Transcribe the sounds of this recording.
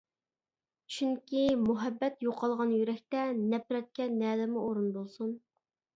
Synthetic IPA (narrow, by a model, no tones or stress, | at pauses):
t͡ʃʰyŋkʲʰimuɦɛbːɛt̪joqʰɑlˠʁɑnjyɾɛkʲt̪ɛnɛpɾɛt̪̚kʲɛnɛːlɪmʊoɾunbolˠsun